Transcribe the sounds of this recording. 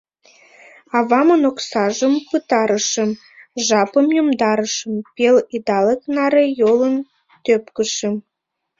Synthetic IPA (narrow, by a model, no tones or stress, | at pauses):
ɑvɑmənoksɑʒəmpɯt̪ɑɾəʃə̆m | ʒɑpəmjomd̪ɑɾəʃə̆mpelid̪ɑleknɑɾejolən | t̪øpkə̆ʃĕm